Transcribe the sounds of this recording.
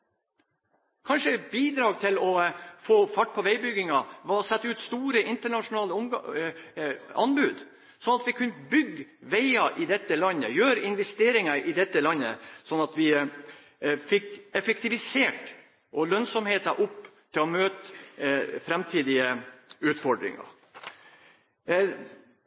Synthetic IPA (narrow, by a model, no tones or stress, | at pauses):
kʰɑnʂəbiːd̪ɾɑːɡt̪ʰɪlɔfoːfɑʈ̚ːpʰɔʋæɪbʏɡːɪŋɑʋɑɔsɛt̪ːəʉːt̪st̪uːɾəʔɪnt̪əɳɑʂʊnɑːlə | ɑ̰nbʉːd̪ | sɔnɑt̪ʋɪkʰʉnːəbʏɡːʋæɪɑʔɪd̪ɛt̪ːəlɑnːə̰jøːɾɪnʋɛst̪eːɾɪŋɑʔɪd̪ɛt̪ːəlɑnːə̰sɔnːɑt̪ʋɪ | fɪkɛfɛk̚t̪ɪʋɪseːʈ | ʔɔlœnsɔmheːt̪ɑʔʊpːt̪ʰɪlɔmøːt̪ | fɾɛmt̪ʰiːd̪ɪəʉːt̪fɔɖɾɪ̰ŋɑ̰ɾ